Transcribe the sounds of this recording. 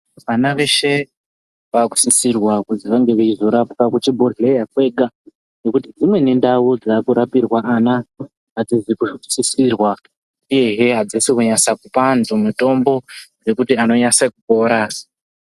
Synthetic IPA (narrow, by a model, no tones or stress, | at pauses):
ʋanaʋe̞ʃe̞ | ʋaku̥sisirwakuziʋaŋɡe̞ʋeizo̞ɾapkakut͡ʃibʱoɮejakwe̞ɡa | no̞kutid͡zimwe̞ne̞ndaud͡zakuɾapirwaʔanaː | d͡zizikusisirwa | ije̞ɦe̞ɦad͡zesikuɲasakupanzomuto̞mbo̞re̞kutiano̞ɲasakuko̞ɾaːsḁ